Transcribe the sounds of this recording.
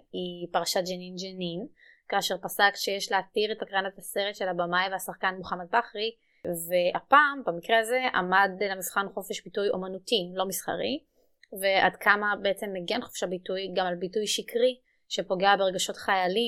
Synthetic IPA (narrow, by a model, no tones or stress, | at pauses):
ipaʁaʃatd͡ʒenind͡ʒenin | kaːʃe̞ʁpasakʃejeʃleatiʁetakʁanataseʁetʃe̞labamajveasaχkanmuχamat̚baχʁi | veapaːmbamikʁeaze̞ʔa̰madlamivχanχo̞feʃbitujo̞̰manutilo̞misχa̰ʁi | ve̞ʔa̰dkʰamabeet͡se̞mːeɡenχo̥fʃabitujɡamalbitujʃikʁi | ʃe̞po̞ɡeabeʁeɡaʃo̞tχajali